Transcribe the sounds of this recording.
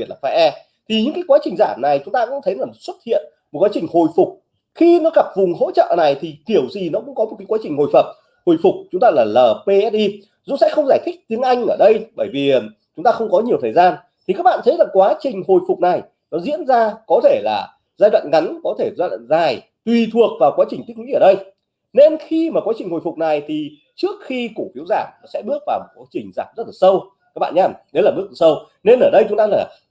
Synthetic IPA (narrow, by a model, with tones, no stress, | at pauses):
i˨˩t̚laː˨˩a˧ʔɛ˧ | t̪ʰi˨˩ɲɨ̰˧˥ŋkaː˨˦jkwaː˨˦t͡ɕï˨˩ŋ̟zaː˧˩mna˨˩jt͡ɕʊ˨˦ŋ͡mt̪aː˧kʊ̰˧˥ŋ͡mt̪ʰjla˨˩mo˨˩t̚swə˦˥t̚hḭ˧˨ən | mo˨˩t̚kwaː˨˦t͡ɕï˨˩ŋ̟ho˨˩jfʊ˨˩k͡p̚ | xi˧nɔ˨˦ɣa˨˩p̚vʊ˨˩ŋ͡mɦo̰˧˥t͡ɕə̰ː˧˨na˨˩jt̪ʰi˨˩t̪i˧˩əwzi˨˩nɔ˨˦kʊ̰˧˥ŋ͡mkɔ˨˦o˨˩t̚kaː˨˦kwːt͡ɕï˨˩ŋ̟ho˨˩jfə˨˩p̚ | ho˨˩jfʊ˨˩k͡p̚t͡ɕʊ˨˦ŋ͡mt̪aː˧laː˨˩ləː˨˩pe˧ʔɛ˦˥t̚ʔi˧ | zʊ̰˧˥sɛ̰˧˥xə˧wŋ͡mzaː˧˩jt̪ʰɪ̈˦˥k̟̚t̪i˨˦əŋʔa˧jŋ̟ʔəː˧˩ɗə˧jɓəː˧˩jvi˨˩ | t͡ɕʊ˨˦ŋ͡mt̪aː˧xə˧wŋ͡mkɔ˨˦ɲi˨˩əwt̪ʰəː˨˩jzaː˧n | t̪ʰi˨kaː˦˥k̚ɓa̰ː˧˨nt̪ə˨˦jlaː˨˩kwaː˨˦t͡ɕï˨˩ŋ̟ho˨˩jfʊ˨˩k͡p̚na˨˩j | nɔ˨˦zḭ˧˥ənzaː˧kɔ˨˦t̪ʰe˧˩la̰ː˨˩ | zaː˧jɗwa̰ː˧˨nŋa˨˦nkɔ˨˦t̪ʰe˧˩zaː˧ja̰ː˧˨nzaː˨˩j | t̪wi˨˩t̪ʰu˨˩ək̚vaː˨˩wkwaː˨˦t͡ɕï˨˩ŋ̟̚˦˥wḭ˧˥ʔəː˧˩ɗə˧j | ne˧nxi˧maː˨˩kwaː˨˦t͡ɕï˨˩ŋ̟ho˨˩jfʊ˨˩k͡p̚na˨˩jt̪ʰi˨˩ | t͡ɕɨ˦˥ək̚xi˧ku˧˩fi˨˦əwzaː˧˩mnɔ˨˦sɛ̰˧˥ɓɨ˦˥ək̚vaː˨˩wmo˨˩t̚kwa˨˦t͡ɕï˨˩ŋ̟zaː˨˩p̚zə˦˥t̚laː˨˩sə˧w | ka˦˥k̚ɓa̰ː˧˨nɲaː˧˩mɗe˨˦laː˨˩ɓək̚ːsə˧w | ne˧nʔəː˧˩ɗə˧jt͡ɕʊ˨˦ŋ͡mt̪aː˧laː˨˩